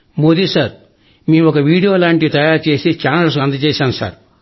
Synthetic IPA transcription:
moːd̪isaɾ | miːɔkɐʋiːɽijo̞ːlaːɳʈit̪ɐjaːɾt͡ʃe̞ːsit͡ʃaːnɐls̬ɐnd̪ɐt͡ʃɛːsaːnusa̰ːɾ

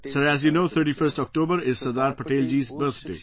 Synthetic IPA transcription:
sɐɾæːzjunoːt̪ʰəːɾʈiːfəɾsʈɔːk̚ʈoːbəɾɪzsɐd̪aːɾpɐʈeːld͡ʒiːzbəɾt̪ʰɖḛː

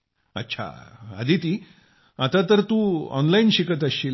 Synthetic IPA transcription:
ə̰tːɕʰa̰a̰d̪ʱit̪i | at̪at̪əɾt̪ũɔ̰nlainɕikət̪əɕil

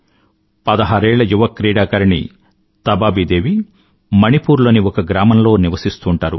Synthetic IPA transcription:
pɐd̪ɐɦaːɾɛːɭːɐjuʋɐkːɾiːɽaːkɐɾiɳḭ | t̪ɐbaːbid̪e̞ːʋi | mɐnipuːɾlo̞ːniɔkɐɡɾaːmɐnlo̞ːniʋɐsist̪uːɳʈaːɾṵ

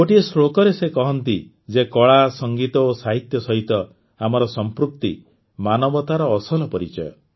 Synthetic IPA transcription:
koʈiesɾokɔɾesekɔɦɔnt̪i | d͡ʒekɔɭasɔŋɡit̪ɔosaɦit̪jɔsɔɦit̪ɔ | amɔɾɔsɔmpɾuk̚t̪i | manɔbɔt̪aɾɔːsɔlɔpɔɾḭt͡ʃɔ̰j

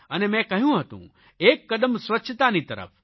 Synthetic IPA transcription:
ɐnemɛ̃kɐɦijũɦɐt̪ṵ̃ | eːkːɐd̪əmsʋɐtːʃʰt̪anit̪ɐɾə̰pʰ

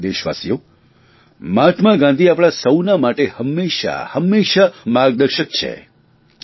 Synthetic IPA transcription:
d̪eʃʋa̰sijo | mat̪ʰmaɡãnd̪ʱiapɽ̃asəwnamaʈehəmːeʃa̰həmːeʃamaɡd̪əɾʃək̚t͡ʃʰḛ

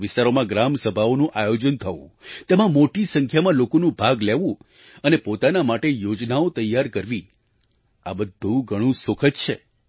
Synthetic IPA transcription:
ʋɪst̪aɾomãɡɾamsəbʱaonũʔajod͡ʒənt̪ʰəʋṵ̃t̪emãmoʈisəŋkʰjamãlokonũbʱaɡleʋũ | ənepot̪anamaʈejod͡ʒnaot̪əjːaɾkəɾʋi | a̰bəd̪ʱːũɡʱəɽ̃ũsokʰətt͡ʃʰe

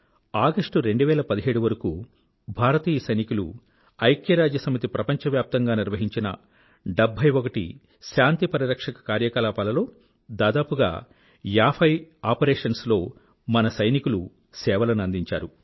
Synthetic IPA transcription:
aːɡɐʂʈuɾe̞ɳɖuʋɛːlɐpɐd̪iɦe̞ːɽuʋɐɾɐkṵː | bʱaːɾɐt̪iːjɐsɐjnikulṵ | ɐjkjɐɾaːd͡ʒjɐsɐmit̪̬ipɾɐpɐɲt͡ʃɐʋjaːp̚t̪ɐŋɡaːniɾʋɐɦiɲt͡ʃinɐ̰ | ɖɐbʱɐjokɐʈḭ | ʃaːnt̪ipɐɾiɾɐkʂɐkɐ̥kaːɾjɐkaːlaːpɐːlɐlo̞ː | d̪aːd̪aːpuɡa̰ː | jaːpʰɐjaːpɐɾeːʂɐnslo̞ː | mɐnɐsɐjnikulu | sɛːʋɐlɐnuɐnd̪iɲt͡ʃa̰ːɾu

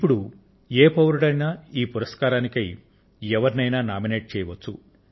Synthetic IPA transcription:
ipːuɽu | eːpɐʋɐɾuɽɐjnaːiːpuɾɐskaːɾaːnikɐj | ɛʋɐɾnɐjnaːnaːmineːʈ̚t͡ʃɛːjɐʋɐt͡ʃːu

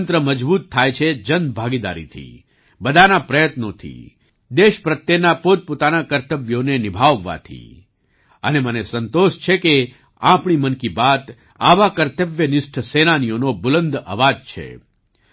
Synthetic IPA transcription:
nt̪ɾəməd͡ʒbut̪ʰːajt͡ʃʰed͡ʒənbʱaɡid̪a̰ɾḭt̪ʰḭ | bəd̪ʱanapɾəjət̪not̪ʰḭ | d̪eʃpɾət̪ːjenapot̪̚pot̪anakəɾt̪əʋjonenɪbʱaʋːa̰t̪ʰḭ | ənemənesənt̪oʃt͡ʃʰeke | ãpɳ̃imənkibat̪ | a̰ʋakəɾt̪əʋjənɪsʈʰsenanijonobʊlənd̪ʱə̰ʋad͡ʒt͡ʃʰḛ

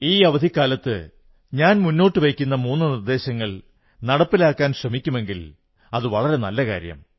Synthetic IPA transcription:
iːɐʋɐd̪ʱikːaːlɐt̪ːɨ̰ | ɲaːnmunːo̞ːʈːɨʋejkʲːun̪ːɐmuːnːɨnird̪e̞ːɕɐŋːɐɭ | nɐɽɐpːilaːkːaːnɕrɐmikʲːume̞ŋɡil | ɐðɨʋɐɭɐɾe̞nɐlːɐka̰ːɾjɐ̰m

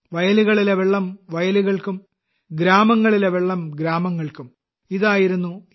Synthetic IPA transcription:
ʋɐjɐluɣɐɭileʋeɭːɐmʋɐjɐluɣɐɭkum | ɡɾaːmɐŋːɐɭileʋeɭːɐmɡɾaːmɐŋːɐɭkum | iðaːjiɾunːu

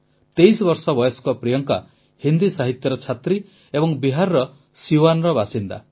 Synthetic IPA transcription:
t̪ejsɔbɔɾsɔbɔjɔskɔpɾijɔŋka̰ | hind̪isaɦit̪jɔɾɔt͡ʃʰat̪ɾi | ebɔŋbiɦaɾɾɔ | siwanɾɔbasind̪a̰

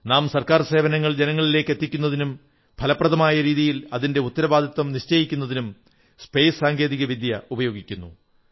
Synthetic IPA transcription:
naːmsɐrkaːrse̞ːʋɐnɐŋːɐɭd͡ʑenɐŋːɐɭile̞ːkːe̞t̪ːikʲːunːɐðinum | b̥ʰʱɐlɐprɐðɐmaːjɐɾiːðijilɐðinde̞ut̪ːɐɾɐbaːd̪ʱit̪wɐmniɕt͡ɕɐjikʲːunːɐðinum | spe̞jssaːŋɡe̞ːðiɣɐʋid̪ʱjɐubɐjo̞ːɡikʲːunːṵ

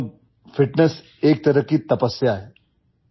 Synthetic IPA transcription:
fiʈnes | eːk̚t̪ɐɾəkit̪ɐpəsːjaɦɛ

